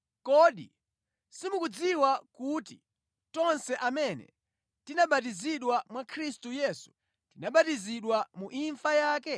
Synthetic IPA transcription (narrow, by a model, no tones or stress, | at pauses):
kɔɗḭ | simukud͡ziwakuti | tɔnsɛʔamɛnɛ̰ | tinaɓatiziɗwamwakʰɾistujɛːsu̥ | tinaɓatiziɗwamuʔiɱfajaːkɛ